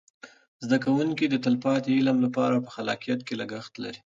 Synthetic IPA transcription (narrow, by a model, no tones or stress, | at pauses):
zd̪akawuŋkid̪ət̪əlpɑt̪eilamlapɑɾapəxalɑqijat̪kelaɡaxt̪la̰ɾi